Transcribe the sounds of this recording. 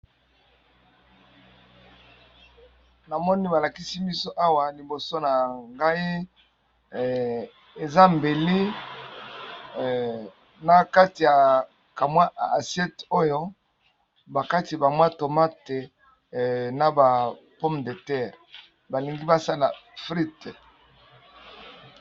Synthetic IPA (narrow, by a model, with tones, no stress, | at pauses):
na˨mɔ˦ni˦ba˨la˨ki˦si˦bi˦so˦ʔa˦wa˨li˨bo˨so˦na˨ŋɡa˦i˦ | e˨za˦m˨be˨li˦ | na˨ka˦ti˨ja˨ | ka˨mwa˦a˨sjɛ˦to˦jo˦ | ba˨ka˦ti˨ba˨mwa˦to˨ma˦te˨ | na˨ba˨ | pɔ˦mde˨tɛ˦˨ʁ | ba˨li˨ŋɡi˦ba˦sa˦la˨fʁi˦t